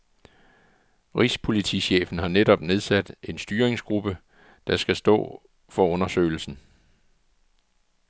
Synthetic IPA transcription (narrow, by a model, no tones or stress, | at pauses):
ʁispʰo̝lit͡sʰḭɕḛːfn̩ɦɑ̈nedɒ̽b̥ne̝ð̞ˠsæd̥e̝nsd̥yːɐʁeŋsɡ̥ʁub̥ə | d̥ɑ̈sɡ̥æsd̥ɔ̰̽ː | fɒ̽ɔ̽nɐsø̰ɪl̩sn̩